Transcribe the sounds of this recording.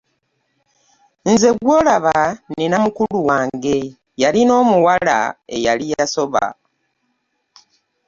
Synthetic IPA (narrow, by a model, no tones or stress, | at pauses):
nze̞ɡwo̞ːlaβaninamukuluwaːŋɡe̞ | jalino̞ːmuwala̰ḛjalijaso̞βa̰